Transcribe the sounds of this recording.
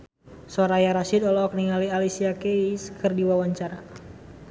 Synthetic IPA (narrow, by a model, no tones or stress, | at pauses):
sɔɾajaɾasidɔlɔːk̚niŋalialisiakeiskʰɨrdiwawaɲt͡ʃaɾa